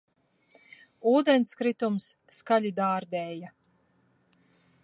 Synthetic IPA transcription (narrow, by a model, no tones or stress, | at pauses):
uːd̪enskɾit̪umsːkaʎʲid̪aːɾd̪ɛːja